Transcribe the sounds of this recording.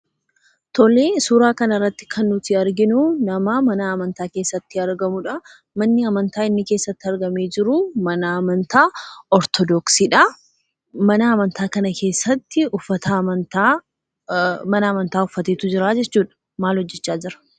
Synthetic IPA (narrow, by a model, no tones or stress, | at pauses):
t̪ɔleːsuːɾaːkɐnɐrːɐt̪ːɪ̥kʰɐnːʊt̪ɪɐɾɡɪnʊnɐmɐmɐnaːmɐnt̪aːke̞ːsːɐt̪ːɪɐɾɡɐmʊᶑɐ | mɐnːɪɐmɐnt̪aːɪnːɪkeːsːɐt̪ːɪɐɾɡɐmeːd͡ʒɪɾʊmɐnɐmɐnt̪aːɔɾt̪ʰɔd̪ɔksiːᶑɐ | mɐnaːmɐnt̪ʰaːkɐnɐkʰe̞ːsːɐt̪ːɪʊfːɐt̪ɐmɐnt̪a | mɐnaːmɐnt̪aːʊfːɐt̪eːt̪ʊd͡ʒɪɾaːd͡ʒɛt͡ʃːuːᶑɐ̥ | maːlhɔd͡ʒːɛt͡ʃːaːd͡ʒɪɾɐ̥